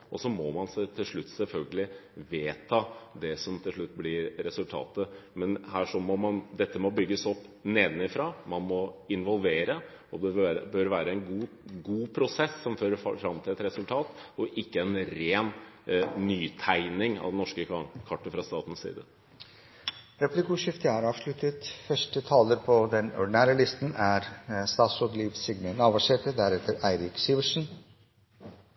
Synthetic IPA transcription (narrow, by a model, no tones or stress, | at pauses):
ʔɔsɔmɔmɑnsæɪt̪ʰɪlʂɭʉt̪ːsɛlfœlɡəlɪʋeːt̪ʰɑːd̪ɛsɔmt̪ʰɪlʂɭʉt̪ːblɪɾɾɛsʉlt̪ʰɑ̰ːt̪əmɛnhæːʂɔmɔmɑnd̪ɛt̪ːəmɔbʏɡːəsɔpːneːd̪nɪfɾɑːmɑnmɔɪnʋɔlˠʋeːɾə | ɔd̪ɛɾəbøɾʋæːɾəɛɪnɡuː | ɡuːpʰɾʊsɛsːɔmføːɾəfɾɑmt̪ʰɪlɛt̪ɾɛsʉlt̪ʰɑːt̪ɔʔɪkːəɛnɾeːn | nyːt̪ʰæɪnɪŋɑ̰ʋd̪ɛnɔʂkəkʰɑʈːəfɾɑst̪ɑːt̪n̩ssḭːd̪ə | ɾɛplɪkuʂɪft̪əæɾɑːʋʂlʉt̪ət̪fœʂʈət̪ʰɑːləɾpʰɔd̪ɛnɔ̰ɖɪnæːɾəlɪst̪næɾst̪ɑːt̪sɔɡliːʋsɪɡnenɑːʋɑʂɛʈ̪əd̪æɾɛt̪ʰəɾæɪɾɪksiːʋəʂn̩